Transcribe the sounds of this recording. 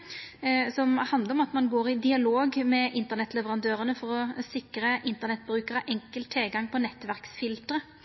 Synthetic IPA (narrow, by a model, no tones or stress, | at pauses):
sɔmhɑnd̪ləɾɔmɑt̪mɑnɡoːɾɪd̪ɪɑloːɡmɛʔɪnt̪ənɛt̪ːlɛʋəɾɑnd̪øːɾənəfɔɾɔsɪkɾəʔɪnt̪ənɛt̪̚bɾʉːkəɾəʔɛŋkəlt̪ʰːɪlɡɑŋːpʰɔnɛt̪ːʋæɾksfɪlt̪əɾə